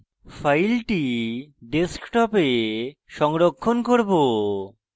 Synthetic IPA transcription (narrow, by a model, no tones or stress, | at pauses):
fʰajlʈiɖeskʈɔpeʃɔŋɾokʰːonkoɾbo